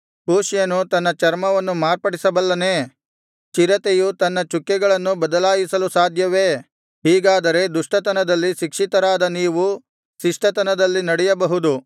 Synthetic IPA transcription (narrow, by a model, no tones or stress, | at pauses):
puːʃjɐnut̪ɐnːɐt͡ʃɐɾmɐʋɐnːumaːɾpɐɽisɐbɐlːɐneː | t͡ʃiɾɐt̪ejut̪ɐnːɐt͡ʃukːɛɡɐɭɐnːubɐd̪ɐlaːjisɐlusaːd̪ʱjɐʋeː | ɦiːɡaːd̪ɐɾe̞d̪uʂʈɐt̪ɐnɐd̪ɐlːiʃikʂit̪ɐɾaːd̪ɐniːʋu | ʃiʂʈɐt̪ɐnɐd̪ɐlːinɐɽɛjɐbɐɦud̪u